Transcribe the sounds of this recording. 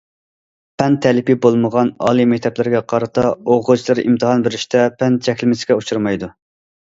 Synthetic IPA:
pʰɛnt̪ʰːɛlɪpibolˠməʁɑnɑ̰ːlˠɨmɛk̚ʲt̪ʰɛplɪɾɪɡʲɛqʰɑɾɨt̪ʰɑoʁʊt͡ʃlˠɨɾʔḭmt̪ʰɨhɑnbɪɾɪʃt̪ʰɛpʰɛnt̪t͡ʃʰɛkʲlɪmɪsɪ̥kʲɛut͡ʃʰuɾmɑjd̪u

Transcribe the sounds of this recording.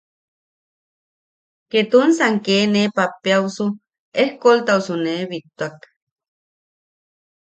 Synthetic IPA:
ket̪unsaŋkeːnepapjawsu | ehkolt̪ausuneβit̪ːuak

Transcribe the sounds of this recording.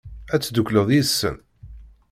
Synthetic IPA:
æt͡sːd̪əkʷːləðˤjisːə̰n

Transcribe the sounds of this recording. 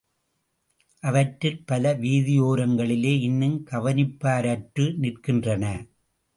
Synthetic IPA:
ʔɐʋɐʈːɪlpɐlɐʋiːðɪjoːɾɐŋɡɐɭɪleːɪnːɯmkɐʋɐnɪpːaːɾɐʈrɯnɪrkɪndrɐnɐ

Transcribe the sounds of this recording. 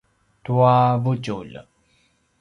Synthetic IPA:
t̪uavut͡ʃṵl̰

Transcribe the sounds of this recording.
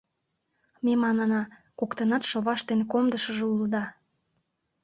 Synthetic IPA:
memɑnɑnɑkokt̪ənɑt̪ʃoβɑʃt̪enkomd̪əʃəʒeuld̪ɑ

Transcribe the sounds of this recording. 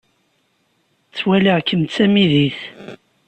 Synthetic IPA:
t͡sːwæləʁkːəmt͡sːæmiðiθ

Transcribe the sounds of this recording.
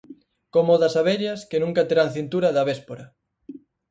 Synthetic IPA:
komoðasaβeɾjɐskenũŋkat̪eɾaŋθint̪uɾaðɐβespoɾɐ

